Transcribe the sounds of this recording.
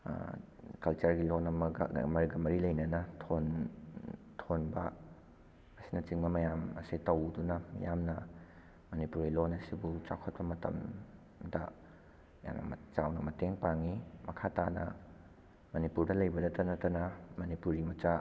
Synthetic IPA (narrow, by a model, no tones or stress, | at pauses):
kɐlt͡ʃɐɾɡilonɐmɐɡmɐɾiɡɐmɐɾilɐjnɐnɐtʰon | tʰonbɐ̰ | ɐsinɐt͡ʃiŋbɐmɐjamɐ̰sitɐwdunɐmɐ̰jamnɐ | mɐnipuɾɡilonɐsibut͡ʃa̰kʰɐt̚pɐmɐtɐ̰m | dɐ | ja̰mnɐ̰m̰t͡ʃawnɐmɐteŋpaŋimɐkʰatanɐ̰ | mɐnipuɾdɐlɐjbɐdɐtɐnɐtɐnɐmɐnipuɾimɐt͡ʃa